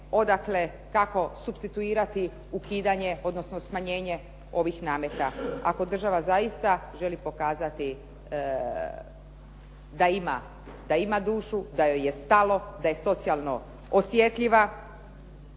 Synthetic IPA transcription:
o̞d̪akle̞ | kako̞subst̪it̪uiːɾat̪i | ukʰiːd̪aɲe̞o̞d̪nosnosmaɲe̞ːɲe̞ | o̞ʋixnaːmjet̪aa̰ko̞d̪r̩ʒaʋazajist̪aʒe̞lipo̞kaːzat̪i | d̪aima̰ | d̪aimad̪uːʃud̪ajje̞st̪alo̞d̪aje̞so̞t̪sialˠno̞̰ | osje̞t̪ʎiʋa

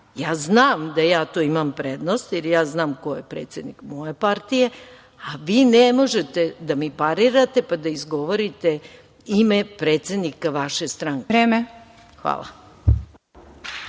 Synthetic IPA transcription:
jaːznaːmd̪ajaːt̪oimampɾed̪nost̪jɛɾjaːznaːmkojepɾeːt̪sed̪nikmojepaɾt̪ije̞ | aʋiːnemo̞ʒet̪e̞d̪amipaɾiɾat̪e̞pad̪aizɡo̞ʋoɾit̪e | imepɾeːt̪se̞d̪nikaʋaʃest̪ɾaŋkɾeːme | xʋa̰ːlˠa̰

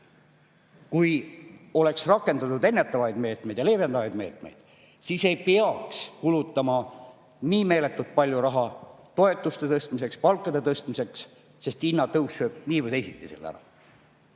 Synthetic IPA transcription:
kujo̞le̞ksrɑkːˑe̞nd̪ɑt̪ud̪e̞nːe̞t̪ːˑɑvɑjd̪̥me̞ːt̪me̞jd̪jɑle̞ːve̞nd̪̥ɑvɑjd̪me̞ːt̪me̞̰jd̪̥ | sise̞jpeɑkskulut̪ːˑɑmɑ | niːme̞ːle̞t̪ːˑult̪̚pɑlʲjuɾɑɦɑt̪o̞e̞t̪ːˑust̪e̞t̪ɤst̪mise̞kspɑlkːˑɑd̪e̞t̪ɤst̪mise̞ks | se̞st̪inːɑt̪ɤwsːø̞ːb̥̚niːvəd̪esit̪ːˑiselæ̰ɾɑ̰

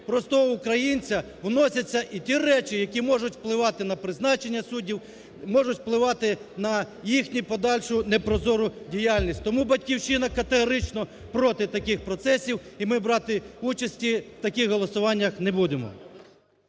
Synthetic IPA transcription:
pɾɔst̪ɔɔukɾɐjinʲt͡sʲɐ | wnɔsʲɐt͡sʲːɐʔitʲirɛt͡ʃijɐkʲimɔʐʊtʲwplˠɪʋɑt̪ɪnɐpɾɪznɑt͡ʃenʲːɐsudʲiw | mɔʒʊtʲplˠɪʋɑt̪ɪnɐ | jixnʲipɔd̪ɑlʲʃʊnɛpɾɔzɔɾʊdʲijɑlʲnʲisʲtʲt̪ɔmubɐtʲkʲiwʃɪnɐkɐt̪eɦɔɾɪt͡ʃnɔ | pɾɔt̪ɪt̪ɐkɪxpɾɔt̪sɛsʲiwimɪbɾɑt̪ɪut͡ʃɐsʲtʲiwt̪ɐkʲixɦɔlˠɔsʊʋɑnʲːɐxnebud̪emɔ̰

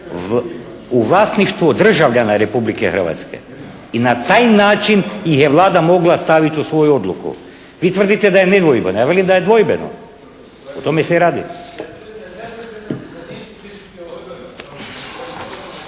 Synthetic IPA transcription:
uvlˠasniʃt̪ʋod̪r̩ʒavʎanaɾepublikɛxr̩ʋa̰t̪skɛ̰ | inat̪aːjnaːt͡ʃinjixjevlˠaːd̪amoɡlˠast̪aʋit̪ʲusʋojuod̪lˠukṵ | ʋit̪vrd̪it̪ɛd̪ajened̪ʋojbɛnojaʋelimd̪ajed̪ʋojbɛno̰ | ot̪omesɛɾaːd̪ḭ

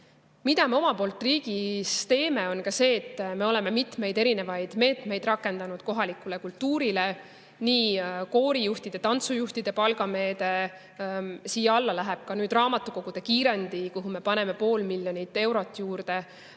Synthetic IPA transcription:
mid̪̥ɑme̞o̞mɑpo̞ːlt̪ːˑriːɡ̥ist̪e̞ːme̞o̞nkɑse̞ːt̪ːme̞o̞lɛme̞mit̪me̞jd̪e̞ɾine̞vɑjd̪̥me̞ːt̪me̞jd̪rɑkːˑe̞nd̪̥ɑnud̪̥̚ko̞ɦɑlikulekult̪uːɾile̞ | niːko̞ːɾijuht̪id̪̥e̞t̪ɑnt̪sujuht̪id̪̥e̞pɑlɡɑme̞ːd̪e | siːjːɑɑlːɑlæɦeb̥̚kɑnyːd̪rɑːmɑt̪ːˑuko̞kɡ̥ud̪̥e̞kiːɾe̞nd̪ikuɦume̞pɑne̞me̞po̞ːlmiljo̞nit̪ːe̞wɾo̞t̪ːˑjuːrd̪̥e̞

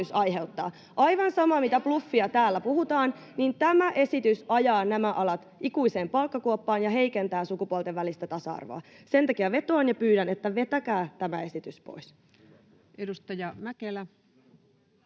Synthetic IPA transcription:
ysɑjɦe̞ut̪ːɑ̰ː | ʔɑjʋɑnsɑmɑmit̪æplufːiɑt̪æːlːæpuhut̪ɑːn | nint̪æmæʔe̞sit̪ysɑjɑːnæmæʔɑlɑt̪ʔikuise̞ːmpɑlkːɑkuopːɑːnjɑɦe̞ikent̪æːsukupuolt̪eʋːælist̪æt̪ɑsɑ̰ɑ̰rʋo̰ɑse̞nt̪ɑkiæʋe̞t̪oɑnjɑpyːɾænet̪ːæʋe̞t̪ækæːt̪æmæe̞sit̪yspo̞̰is | edust̪ɑjɑmækelæ

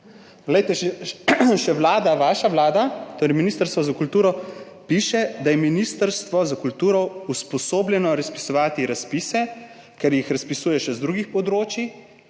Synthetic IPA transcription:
ɡlɛjt̪ɛʃɛʃɛʋlaːd̪aʋaːʃaʋlaːd̪at̪oːɾɛjminiːst̪əɾst̪ʋɔzakult̪uːɾɔ | piːʃɛd̪ajɛminist̪əɾst̪ʋɔzakult̪uːɾɔuspɔsoːbljɛnɔɾaspi̥sɔʋaːt̪iɾaspiːsɛ | kɛɾjixɾaspisuːjɛʃɛzd̪ɾuːɡixpɔd̪ɾoːt͡ʃi

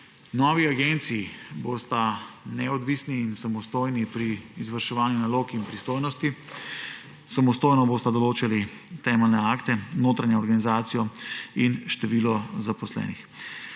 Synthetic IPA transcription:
nɔːʋiaɡent̪siːboːst̪anɛɔd̪ʋisniːnsamɔst̪oːjnipɾiːzʋəɾʃɛʋaːnjunaloːkinpɾist̪oːjnɔst̪i | samɔst̪oːjnɔboːst̪ad̪ɔloːt͡ʃali | t̪ɛmɛlnɛaːkt̪ɛnoːt̪ɾaɲjaɔɾɡanizaːt̪sijɔinʃt̪ɛʋiːlɔzapɔslɛ̰ːnix

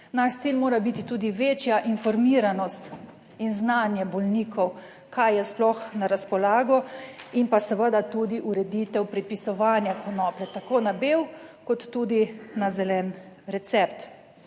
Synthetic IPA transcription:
naʃt̪siːlmoːɾabit̪it̪uːd̪iʋeːt͡ʃjaʔinfɔɾmiːɾanɔst̪ | inznanjɛbɔlniːkʰɔw | kʰajjɛsplɔxnaɾaspɔlaːɡɔinpasəʋəd̪at̪uːd̪iʔuɾɛd̪it̪ɛwpɾɛt̪̚pisɔʋaːnjakʰɔnɔplɛt̪akoːnabewkɔt̪ːuːd̪inazɛlɛːnɾɛt̪sɛp̚t̪

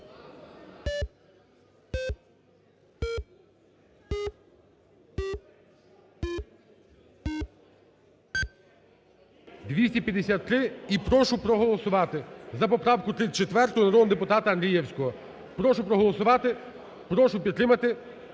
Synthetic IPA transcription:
d̪ʋʲisʲtʲipʲjɐd̪esʲat̪ːɾɪipɾɔʃʊpɾɔɦɔlˠɔsʊʋɑt̪ɪzɐpɔpɾɑwkʊt̪ɾɪt͡ʃet̪ʋɛrt̪ɔʊnɐɾɔd̪nʊd̪epʊt̪ɑt̪ɐɐnd̪ɾʲijɛwsʲkɔɦɔ | pɾɔʃʊpɾɔɦɔlˠɔsʊʋɑt̪ɪ | pɾɔʃʊpʲid̪ɾɪmɐt̪ɪ

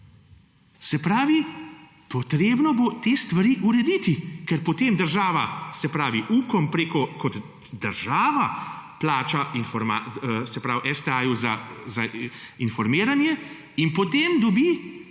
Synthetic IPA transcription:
sɛpɾaːʋi | pɔt̪ɾeːbnɔbot̪eːst̪ʋaɾiːʔuɾɛd̪iːt̪ikɛɾpɔt̪eːmd̪əɾʒaːʋasɛpɾaːʋiʔuːkɔmpɾeːkɔkɔd̪ | d̪əɾʒaːʋaplaːt͡ʃainfɔɾmasɛpɾawʔɛst̪ɛaːjuzazainfɔɾmiːɾanjɛ | inpɔt̪eːmd̪ɔbiː

